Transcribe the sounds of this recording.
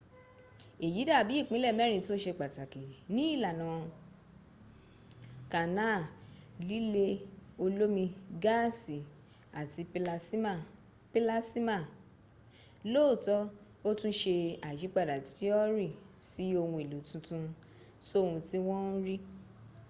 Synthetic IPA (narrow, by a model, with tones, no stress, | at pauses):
e˨ji˨˦da˦˨bi˨˦i˦˨k͡pĩ˨˦lɛ˦˨mɛ˦ɾ̃ĩ˧˨ti˦o˦ʃe˧k͡pa˨ta˨ki˨nĩ˨˦i˦˨la˨nã˨ | ka˨na˦˨li˦le˧o˧lo˦mĩ˧ɡa˦˨si˨ | a˨ti˧˦a˦˨ | pi˦la˦si˦ma˦˨ | lo˦˨tɔ˦ | o˦tũ˦ʃe˧a˨d͡ʒi˨˦k͡pa˦˨da˨ti˨˦ɔ˦ɾi˦˨si˨˦o˧wũ˧e˨lu˨tũ˨˦tũ˦ | so˦o˧hũ˧ti˦w̃ɔ̃˦n̩˦ɾi˦